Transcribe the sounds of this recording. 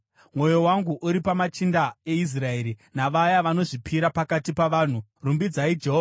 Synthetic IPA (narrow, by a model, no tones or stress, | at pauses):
mwo̞jo̞waŋɡuʔuɾipamat͡ʃindae̞is̬rae̞ːɾinaʋajaʋano̞ʐipʰiɾapakatipaʋaːn̤urumbid͡zaid͡ʒe̞ɦova